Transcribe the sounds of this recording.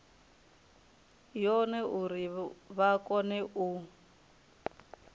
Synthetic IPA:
jɔnɛʔuɾiβakʼɔnɛʔu

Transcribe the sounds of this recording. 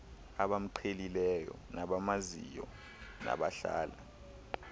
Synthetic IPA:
aɓam̩ǃʰelilɛjɔ̰naɓamazijɔ | na̰ɓaɬa̰ːla

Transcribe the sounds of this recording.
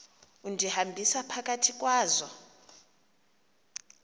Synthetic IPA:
undʱihambʱisapʰak̬ʼatʰik̬ʼwaːzɔ

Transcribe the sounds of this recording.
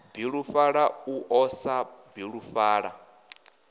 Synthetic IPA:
biɺufaɺauʔɔsabiɺufaːɺa

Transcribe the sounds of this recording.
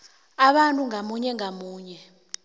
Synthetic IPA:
aɓantʼuŋamuɲɛŋamuːɲɛ

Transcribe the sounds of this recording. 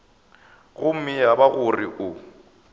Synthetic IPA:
ɣʊm̩mɪjabaɣʊriʔʊ

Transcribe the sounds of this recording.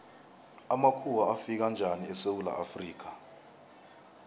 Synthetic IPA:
amakʰuwaafik̬and͡ʒʱaniɛsewula̰ʔafriːk̬ḁ

